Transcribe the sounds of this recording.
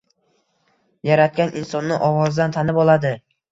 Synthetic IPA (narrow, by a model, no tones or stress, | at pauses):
jaɾat̪̚kʲanʔɪnsɒnːɪʔɒwɒzd̪ant̪ʰanɪbɒlˠad̪ɪ